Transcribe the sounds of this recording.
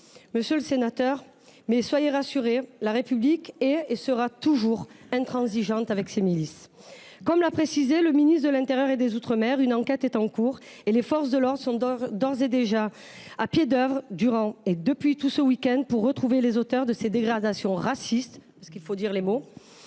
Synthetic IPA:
məsjøləsenat̪œʁ | mɛswajeʁasyʁelaʁepyblikɛesəʁat̪uʒuʁɛ̃t̪χɑ̃ziʒɑ̃t̪avɛksemilis | kɔmlapχesizeləminisd̪əlɛ̃t̪eʁjœʁed̪ezut̪χəmɛʁynɑ̃kɛt̪ɛt̪ɑ̃kuʁ | elefɔʁs̬d̪əlɔʁd̪ʁəsɔ̃d̪ɔʁzed̪eʒa | apjed̪œvʁd̪yʁɑ̃ed̪əpɥit̪usəwikʲɛ̃nd̪̚puʁːət̪χuvelezot̪œʁd̪əsed̪eɡʁad̪asjɔ̃ʁasist̪pasəkilfod̪iʁlemo

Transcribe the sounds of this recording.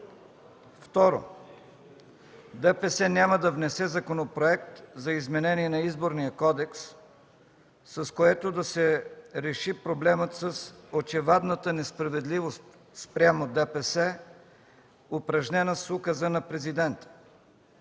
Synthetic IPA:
ft̪ɔɾo̰ | d̪ɛpɛsɛnʲaməd̪ɐvnɛsɛzɐkonopɾoɛkt̪zɐizmɛnɛniɛnɐizboɾnijəkɔd̪ɛks | ɐskoɛt̪od̪ɐsɛɾɛʃipɾoblɛmət̪səsot͡ʃɛvad̪nət̪ənɛspɾɐvɛd̪livost̪ | spɾʲamod̪ɛpɛsɛ | ʊpɾɐʒnʲɛnəsukəzənɐpɾɛzid̪ɛnt̪ə̥

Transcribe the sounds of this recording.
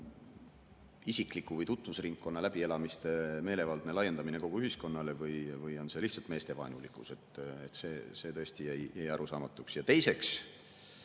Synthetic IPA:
isikːˑlikːuvɯjt̪ut̪ːˑvusriŋkːo̞nːɑlæb̥ie̞lɑmist̪eme̞ːle̞vɑld̪̥ne̞lɑje̞nd̪ɑmine̞ko̞ɡ̥uyɦisko̞nːɑlevɯjvɯjo̞nse̞liht̪sɑlt̪me̞ːst̪e̞vɑ̰jnulikuse̞t̪ːˑet̪ːse̞ːse̞ːt̪ɤ̞est̪ijæjjæjɑɾusɑːmɑt̪ːˑuksjɑt̪e̞jse̞ks

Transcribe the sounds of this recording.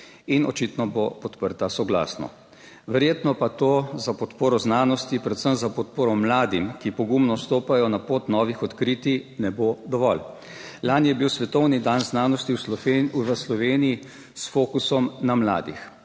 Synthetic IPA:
inɔ̰t͡ʃit̪nɔbopɔt̪pəɾt̪asɔɡla̰ːsnɔ̰ | ʋɛɾjeːt̪nɔpat̪oːzapɔt̪poːɾɔznaːnɔst̪ipɾɛt̪səmzapɔt̪̚poːɾɔmlaːd̪imkipɔɡumnɔst̪oːpajɔnapoːt̪nɔːʋixɔt̪kɾiːt̪inɛbod̪ɔʋɔl | lanjɛbiwsʋɛt̪ɔwnid̪anznaːnɔst̪iwsʋəslɔʋeːniji | sfoːkusɔmnamla̰ːd̪ḭx

